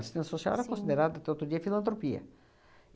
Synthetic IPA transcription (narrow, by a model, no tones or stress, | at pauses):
st̪ẽnɐsõsa̰ɛɾɐkõsid̪eɾad̪d̪at̪ɛot̪ɾod͡ʒiɐfilɐ̃nt̪ɾopiɐ̰